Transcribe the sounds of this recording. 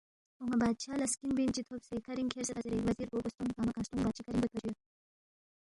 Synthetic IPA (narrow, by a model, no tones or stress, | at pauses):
oŋɐbaːd̪̚t͡ʃʰaːlɐskinbiːnt͡ɕit̪ʰobsekʰɐɾiŋkʰeːɾsekɐzɐɾeʋɐziːɾboːbɐst̪uŋkaːmɐkãːst̪ũŋbaːt͡ʃʰikʰɐɾĩŋbɐt̪̚pʰɐd͡ʑujɐ